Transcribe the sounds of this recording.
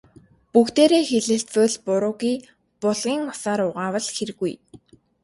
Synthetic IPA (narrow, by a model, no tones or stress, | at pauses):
pukt̪eːɾeːxeɮɘ̆ɬt͡spə̆ɮpʊɾʊːɣiː | pʊɮʁiːŋmʊsaːɾʊʁaːwə̆ɮxeɾ̆ɣuj